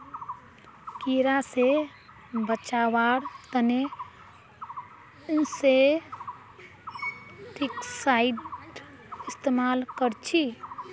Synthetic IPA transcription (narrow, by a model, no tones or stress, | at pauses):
kiɾase | bət͡ʃawaɾt̪əne | nse | ʈiksaiɖ | ɪst̪emalkəɾt͡ʃʰi